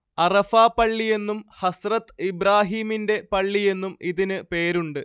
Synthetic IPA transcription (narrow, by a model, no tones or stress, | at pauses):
ɐrɐfaːpɐɭːije̞nːumhɐsrɐt̪ːibɾaːɦiːminde̞pɐɭːije̞nːumiðinɨpe̞ːɾuɳɖɨ